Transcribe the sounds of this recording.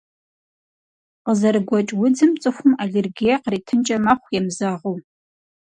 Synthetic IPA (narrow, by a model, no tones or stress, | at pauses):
qəzɐɾɨɡʷɔt͡ʃʼwʊd͡zɨmt͡sʼɨxʷʊmaɮʲɪrɡejɛqriːtʰɨnt͡ʃʼɐmaχʷjɛmzaʁow